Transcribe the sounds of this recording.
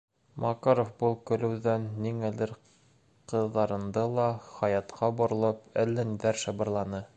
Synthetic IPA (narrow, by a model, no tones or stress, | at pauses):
mɑkɑɾofbulˠkɵ̆lɘ̆wðænːiŋælɘɾ | qɤ̆ðːɑɾɤ̆nd̪ɤlˠɑχɑjɑt̪qʰɑbŏɾɤ̆lˠɤp̚ælːæniðæɾʃɑ̆bɤ̆ɾlˠɑnɤ